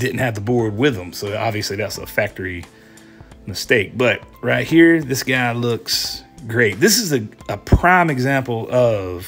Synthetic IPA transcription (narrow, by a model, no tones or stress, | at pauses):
d̥ɪdⁿn̩t̚hɨvəbɔɹd̚wɪðə̃msoʊɑ̰bviɨsliðætsəfæk̚tə˞i | mɨsteɪk̚b̥ʌt̚ɹaɪt̚hiɹðɪsɡ̥aɪlʊksɡɹeɪt̪̚ðɪsɨzɨəpʰɹ̥ɑ̃ɪ̃mɨɡzæ̃mpl̩ˠʌv̥